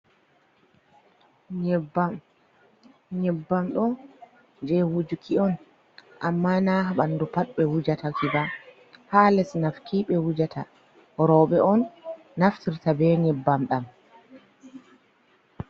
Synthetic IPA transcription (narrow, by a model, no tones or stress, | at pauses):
ɲɛbam | ɲɛbːamɗɔ | d͡ʒɛwud͡ʒukʰiɔn | ʔamːanaɦaɓandupaɗɓɛwud͡ʒatakʰiba | halɛsnafkʰiɓɛwud͡ʒatʰa | ɔɾɔɓɛʔɔnː | aftiɾtabɛɲɛbːamɗam